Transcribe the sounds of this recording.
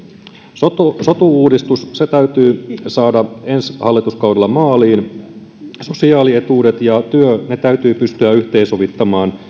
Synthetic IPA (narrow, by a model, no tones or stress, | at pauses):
sot̪osot̪uuːdist̪usset̪æyt̪yːsɑːdɑenshɑlːit̪uskɑwdelːɑmɑːliːn | so̞siɑːlie̞t̪uːdet̪jɑt̪yøne̞t̪æyt̪yːpyst̪yæyht̪eːnsoʋit̪ːɑmɑːn